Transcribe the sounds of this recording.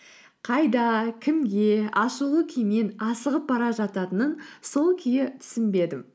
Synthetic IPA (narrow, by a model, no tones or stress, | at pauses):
qʰɑjd̪ɑkʲʰɪmɡʲe̞ɑʃulˠəkʲʰijmenɑsəʁəp̚bɑɾɑʒɑt̪ɑt̪ənənso̞lˠkʲʰʏjɪt̪ʰʏ̥sɪnbe̞d̪ɪm